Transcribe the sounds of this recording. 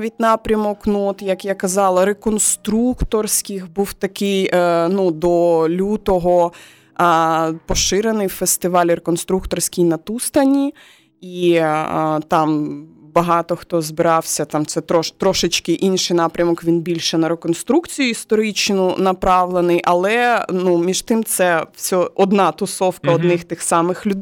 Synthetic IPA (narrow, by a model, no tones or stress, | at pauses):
ʋʲitʲnɑpɾʲɐmɔknuɔt̪jɐkjakɐzɑlˠɐɾekɔnst̪ɾukt̪ɔrsʲkɪxbuwt̪ɐkɪjnud̪ɔlʲut̪ɔɦɔ | pɔʃɪɾenɪjwfest̪ɪʋɑlʲɾekɔnst̪ɾukt̪ɔrsʲkʲɪjnɐt̪ust̪ɐnʲi | i | t̪ɑmbɐɦɑt̪ɔxt̪ɔzbɪɾɑwsʲɐt̪ɑmt̪sɛt̪ɾɔʃt̪ɾɔʃɪt͡ʃkɪʔinʃɪjnɑpɾʲɐmɔkʋʲinbʲilʲʃɛnɐɾekɔnst̪ɾukt͡sʲijʊist̪ɔɾɪt͡ʃnʊnɐpɾɑʋlˠenɪjʔɐlˠɛnumʲiʃt̪ɪmt̪sɛwsʲɔɔd̪nɑt̪ʊsɔwkɐɔd̪nɪxt̪ɪxsɑmɪxlʲʊd̪